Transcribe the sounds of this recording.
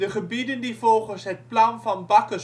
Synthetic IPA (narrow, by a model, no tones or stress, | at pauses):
dəχəbidəndivɔlˠχənsɦət̚plɑnvɑnbɑkə